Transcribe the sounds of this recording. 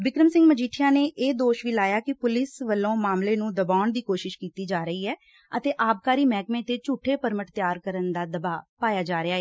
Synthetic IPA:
ʋɪkɾəmsɪ̃ŋɡməd͡ʒiːʈʰɪjãːneːʔeːd̪oːʃʋiːlaːjaːkɪpʊlɪsʋəlːõːmaːmleːnũːd̪əbaːɳd̪iːkoːʃɪʃkiːt̪iːd͡ʒaːɾəiːɦɛː | ət̪eːʔaːb̚kaːɾiːmɛːkmẽːt̪eːt͡ʃuːʈʰːeːpəɾməʈt̪jaːɾkəɾənd̪aːd̪əbaːpaːjaːd͡ʒaːɾɪaːɦɛː

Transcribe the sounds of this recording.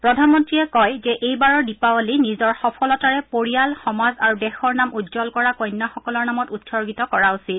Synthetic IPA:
pɹɔdʱanmɔntɹiɛkɔjzɛʔejbaɹɔɹdipaɔlinizɔɹxɔpʰɔlɔtaɹɛpoɹijalxɔmazaɹudɛxɔɹnamudzɔlkɔɹakoɔjnːaxɔkɔlɔɹnamɔtutsɔɹɡitɔkɔɹausit

